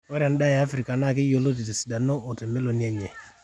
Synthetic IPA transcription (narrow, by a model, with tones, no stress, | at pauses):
o˦ɾe˨n˦da˦ja˦fɾi˨ka˨na˦k̬ɪ˦jo˦lo˦t̬i˨ti˨si˨da˨no˦ʔo˨te˨me˦lo˨ni˦a˦ɲe˨